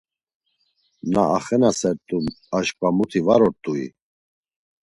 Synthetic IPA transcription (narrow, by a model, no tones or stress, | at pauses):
naaχɛnasɛɾt̪ʼumaʃpʼamut̪ʰivaɾɔɾt̪ʼuḭ